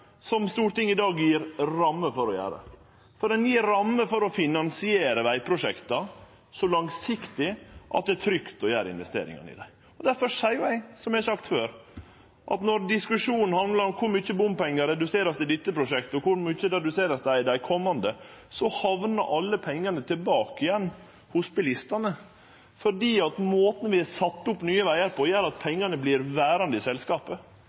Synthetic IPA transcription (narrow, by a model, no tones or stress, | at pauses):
sɔmst̪uːʈ̪ʰɪŋːɪd̪ɑːɡjiːɾɾɑmːəfɔɾɔjæ̰ːɾə̰ | fɔɾɛnjiːɾɑmːəfɔɾɔfɪnɑnsɪeːɾəʋæɪpʰɾʊʂɛkt̪ɑ | sɔlɑŋsɪkt̪ɪʔɑ̰t̪̚d̪ɛæt̪ʰɾʏkt̪ɔjæːɾɪ̰nʋɛst̪ḛːɾɪ̰ŋɑ̰nɪ̰d̪æɪ | ɔd̪æɾfɔʂæɪjʊæɪsɔmæɪsɑkt̪føːɾ | ʔɑ̰t̪nɔɾd̪ɪskʉʂuːnn̩hɑnlɑɾɔmkʰʊɾmyːçəbʊmpɛŋːəɾɛd̪ʉseːɾɑsd̪ɛd̪ɪt̪ːəpʰɾʊʂɛkt̪əɔkʊɾmyːçəɾɛd̪ʉseːɾɑsd̪æɪd̪æɪkʰɔmːɑnd̪əsɔhɑʋnɑ̰ɾʔɑlːəpʰɛŋːɑnət̪ʰɪlbɑːkɪjɛnː | hʊsbɪlɪst̪ɑnə | fɔɖiːɑt̪moːt̪n̩ʋɪæsɑt̪ːʊpnyːəʋæɪəɾpɔjæːɾɑt̪̚pʰɛŋːɑnəblɪɾʋæːɾɑnd̪əɪsɛlskɑːpə